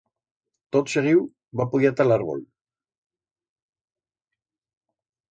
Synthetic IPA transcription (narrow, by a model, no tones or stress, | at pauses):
t̪ot̪ʃeʁiw | bapoɣiat̪alaɾβo̰l